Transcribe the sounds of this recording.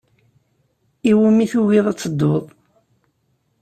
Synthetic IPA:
iwumiθuwiðˤæt͡sːəd̪ːoðˤ

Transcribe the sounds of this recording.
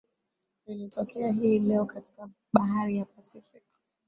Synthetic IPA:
ilitʰɔkɛaɦilɛɔkati̥ka | ɓaɦaɾijapasifik

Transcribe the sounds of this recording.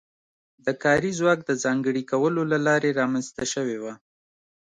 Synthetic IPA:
d̪əkɑɾizwɑk̚d̪əzɑŋɡəɽikawəlolalɑɾeɾɑmanzt̪aʃəwewa

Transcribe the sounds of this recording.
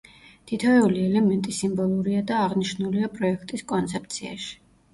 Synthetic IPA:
t̪ʰit̪ʰɔɛuliɛlɛmɛnt̪ʼisimbɔlˠuɾiad̪aːʁniʃnuliapʼɾɔɛkʰt̪ʼiskʼɔnt̪sʰɛp̚t̪sʰia̰ʃi̥

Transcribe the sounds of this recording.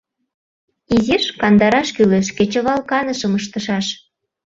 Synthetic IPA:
iziʃkɑnd̪ɑɾɑʃkyleʃket͡ɕə̆βɑlkɑnəʃɤ̆məʃ̬t̪ə̆ʃɑʃ

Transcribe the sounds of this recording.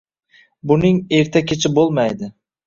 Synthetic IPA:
bʊnɪŋeɾt̪ʰakʲʰet͡ʃʰɪbolˠmajd̪ɪ

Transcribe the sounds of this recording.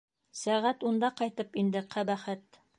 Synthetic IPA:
sæʁæt̪und̪ɑqɑjt̪ɤpind̪ɘqʰæbæχæt̪

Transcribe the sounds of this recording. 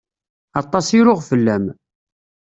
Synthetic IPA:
ɑt̪ˤːɑsiɾʊʁfəlːæm

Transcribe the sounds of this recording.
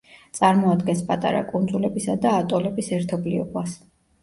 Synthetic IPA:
t̪sʼaɾmɔad̪ɡɛnspʼat̪ʼa̰ɾa̰kʼund̪zulɛbisad̪aːt̪ʼɔlɛbisɛɾt̪ʰɔbliɔbas

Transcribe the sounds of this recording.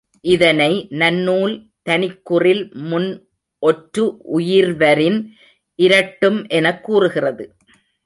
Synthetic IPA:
ʔɪðɐnɐɪnɐnːuːl | t̪ɐnɪkːʊrɪlmʊn | ʔɔʈɾɯʔʊjɪɾʋɐɾɪn | ʔɪɾɐʈːɯmʔɛnɐkːuːrɯɣɪrɐðɯ

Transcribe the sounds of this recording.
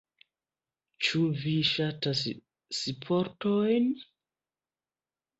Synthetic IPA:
t͡ʃuviʃatasː | ipʰoɾtojn

